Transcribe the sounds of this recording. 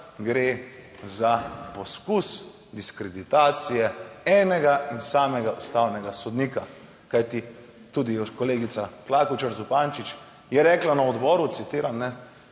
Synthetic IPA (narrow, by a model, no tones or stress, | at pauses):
ɡɾeː | zapɔskus | d̪iskɾɛd̪it̪aːt̪sijɛɛːnɛɡaʔinsaːmɛɡaust̪aːwnɛɡasɔd̪niːka | kajt̪i | t̪uːd̪ikɔleːɡit̪saklakut͡ʃəɾzupaːnt͡ʃit͡ʃ | jɛɾɛklanaɔd̪bɔːɾut̪sit̪iːɾanːɛ